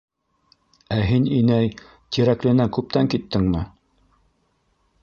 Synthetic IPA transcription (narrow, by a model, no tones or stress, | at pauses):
æɦininæj | t̪iɾæklɘ̆nækʉp̚t̪æŋkit̪ːɘŋmɘ